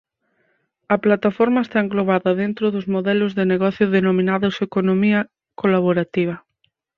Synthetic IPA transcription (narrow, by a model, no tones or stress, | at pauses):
ɐplat̪afɔɾmɐest̪aẽŋɡloβaðɐðent̪ɾʊðʊzmoðɛlʊzðeneɣɔθjʊðenomĩnaðʊsekonomiɐ | kolaβoɾat̪iβ̞ɐ